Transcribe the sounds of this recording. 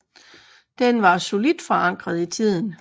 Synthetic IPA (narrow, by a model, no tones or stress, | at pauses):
d̥enʋɑ̈so̝lid̥fɒ̽ɑ̈ŋ̰ɡ̥ʁɐð̞̩ˠit͡sʰið̞̰ˠn̩